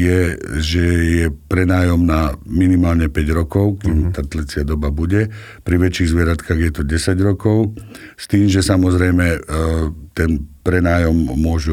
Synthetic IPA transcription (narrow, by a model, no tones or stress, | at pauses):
jɛʒɛjɛpɾɛnaːjɔmnaminimaːlɲɛpɛɟɾɔkɔʊkiːmt̪aːt̪lɛt͡sɪad̪ɔbabuɟɛ | pɾiʋɛt͡ʃiːɣzʋɪɛɾat̪kaɣjɛt̪ɔɟɛsaɟɾɔkɔʊ | st̪iːmʒɛsamɔzɾɛjmɛ | t̪ɛnpɾɛnaːjɔmːʊɔʒu